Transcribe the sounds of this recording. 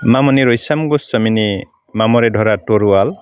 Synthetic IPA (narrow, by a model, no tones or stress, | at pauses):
mamɔniɾɔjsamɡusəmini | mamɔɾɛdʱɔɾatoɾual